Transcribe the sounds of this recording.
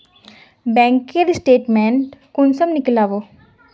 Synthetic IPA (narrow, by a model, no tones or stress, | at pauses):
bɛ̃ːŋked̪isʈeːʈmẽɳʈkʊnsəmnɪklaːʋoː